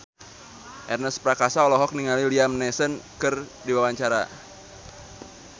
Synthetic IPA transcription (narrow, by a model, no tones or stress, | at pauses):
ʔɛrnəspɾakasaɔlɔɦɔk̚niŋaliliamnɛsənkɨrdiwawaɲt͡ʃaɾa̰